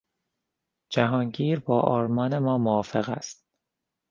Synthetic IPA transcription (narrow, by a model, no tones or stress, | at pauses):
d͡ʒæɦɒːŋɟiːɾbɒːʔɒːɾmɒːne̞mɒːmoɒːfe̞ɣæ̰st̪̚